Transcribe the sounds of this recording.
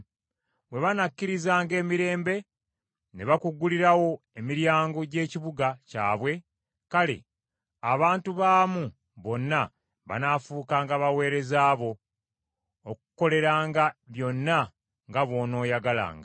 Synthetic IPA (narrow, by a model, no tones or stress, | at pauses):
βwe̞βanakːiɾizaːŋɡe̞ːmiɾe̞ːmbe̞ | ne̞βakuɡːuliɾawo̞ | e̞miɾjaːŋɡo̞ɟe̞ːciβuɡaca̰ːβwe̞ | kale̞̰ | aβaːntuβaːmu | βo̞nːa | βa̰nafuːkaːŋɡaβawe̞ːɾe̞zaːβo̞ | kuko̞le̞ɾaːŋɡaβjo̞nːa | ŋɡaβo̞ːno̞ːjaɡala̰ːŋɡa